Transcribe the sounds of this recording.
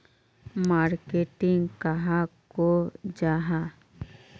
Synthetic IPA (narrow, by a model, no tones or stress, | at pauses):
maːɾkeʈɪŋɡkaɦakod͡ʒaːɦa